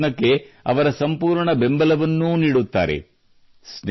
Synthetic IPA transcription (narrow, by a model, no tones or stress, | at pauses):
nɐkːe̞ɐ̰ʋɐɾɐsɐmpuːɾɳɐbe̞mbɐlɐʋɐnːuniːɽut̪ːa̰ːɾḛ | sn